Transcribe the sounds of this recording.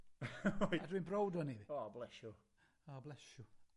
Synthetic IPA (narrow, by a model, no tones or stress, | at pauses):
adwinbɾowdɔniɔːblɛʃju | ɔːblɛʃu